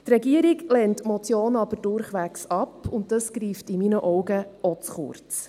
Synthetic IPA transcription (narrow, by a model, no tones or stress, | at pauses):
tɾɛɡiəɾiɡlɛntmɔt͡sjoːnɑbəɾd̥ʊɾχʋæksɑpːʊnt̚d̥ɑskɾiːftɪminəʔɔwɡəʔɔt͡sχʊ̰ɾt͡s